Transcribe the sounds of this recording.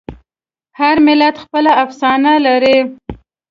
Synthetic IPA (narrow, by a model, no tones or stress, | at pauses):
haɾmɪlat̪xpəlaafsɑnalaɾi